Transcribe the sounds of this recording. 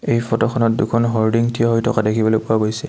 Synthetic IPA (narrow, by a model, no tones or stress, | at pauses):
ejpɔtɔxʰɔnɔt̚dukʰɔnɦɔɹdiŋtʰiɔɦɔjtʰɔkadekʰibɔlojpʊaɡojsɛ